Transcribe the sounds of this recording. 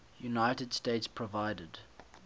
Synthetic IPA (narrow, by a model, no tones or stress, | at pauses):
junaɪtədstetspʰɹɔvaɪdəd̥